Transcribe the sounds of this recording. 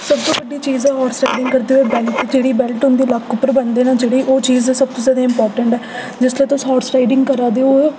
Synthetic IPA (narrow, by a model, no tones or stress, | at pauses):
səb̚t̪õːbəɖːiːt͡ʃiːzɛːɦɔːɾsʈaːɪɖɪ̃ŋɡkəɾd̪iːoeːbɛːlʈd͡ʒeːɽiːbɛlʈʊ̃nd̪iːlakʰːʊpːəɾbənd̪eːnãːd͡ʒeːɽiːʔoːt͡ʃiːzɛsəb̚t̪õːzaːd̪ãɪ̃mpɔːɾʈəɳʈɛː | d͡ʒɪsleːt̪ʊsɔːɾsʈaːɪɖɪ̃ŋɡkəɾaːd̪eːoːɛ